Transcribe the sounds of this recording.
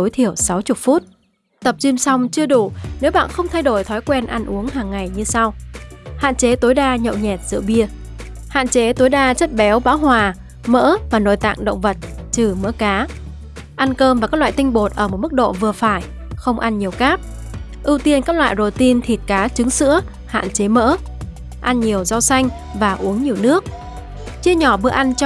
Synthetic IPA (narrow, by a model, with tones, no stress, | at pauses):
o˨˦jt̪ʰi˧˩əwsa˨˦wt͡ɕʊ˨˩t̚fu˦˥t̚ | t̪ə˨˩p̚t͡ɕi˧msa˧wŋ͡mt͡ɕɨ˧əɗu˧˩ne˨˦wɓa̰ː˧˨nxə˧wŋ͡mt̪ʰa˧jɗo˧˩jt̪ʰɔ˨˦jkwɛ˧nʔa˧nʔu˨˦əŋɦaː˨˩ŋːa˨˩jɲɨ˧sa˧wha̰ː˧˨nt͡ɕe˨˦t̪o˨˦jɗaː˧ɲə̰˧˨wɲɛ˨˩t̚zɨ̰˧˨əɓi˧ə | ha̰ː˧˨nt͡ɕe˨˦t̪o˨˦jɗaː˧t͡ɕə˦˥t̚ɓɛ˨˦wɓaː˨˦whwaː˨˩ | mə̰ː˧˥vaː˨˩no̰˧˨jt̪a̰ː˧˨ŋɗə̰˧˨wŋ͡mvə˨˩t̚t͡ɕɨ˨˩mə̰˧˥kaː˨˦ | ʔa˧nkəː˧mva˨˩kaː˦˥lwa̰ː˧˨jt̪ï˧ŋ̟ɓo˨˩t̚ʔəː˧˩mo˨˩t̚mɨ˦˥k̚ɗo̰˧˨vɨ˨˩əfaː˧˩j | xə˧wŋ͡mʔa˧nɲi˨˩əwxaː˦˥p̚ | ʔɨ˧wt̪i˧ənkaː˦˥k̚lwa̰ː˧˨jzo̰˨˩t̪i˧nt̪ʰi˨˩t̚kaː˨˦t͡ɕɨ˨˦ŋsɨ̰˧˥ə | ha̰ː˧˨nt͡ɕe˨˦mə̰ː˧˥ | ʔa˧nɲi˨˩əwza˧wsa˧jŋ̟ | vaː˨˩ʔu˨˦əŋɲi˨˩əwnɨ˦˥ək̚ | t͡ɕi˧əɲɔ˧˩ɓɨ˧əʔa˧nt͡ɕ